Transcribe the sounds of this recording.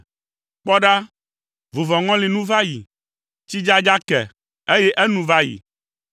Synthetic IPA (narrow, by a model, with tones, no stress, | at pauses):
k͡pɔ˦ɖa˦ | vo˨vɔ˨ŋɔ̃˦li˨nũ˦va˦jḭ˨ | t͡ɕi˦d͡ʒa˦d͡ʒa˦kɛ̰˨ | e˦jɛ˦ʔɛ˦nũ˨va˦jḭ˨